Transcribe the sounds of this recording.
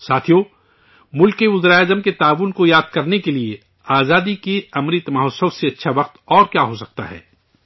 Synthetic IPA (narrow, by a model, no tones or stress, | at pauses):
saːt̪ʰijo | mʊlkeʊzɾaːjaːzəmket̪aːʋunkojaːd̪̚kɐɾnekelie | aːzaːd̪ikeɐmɾiːt̪mɐɦɔːsəwseɐtːʃʰaʋɐqt̪ɔːɾkjaːɦosɐk̚t̪a̰ɦɛ̰ː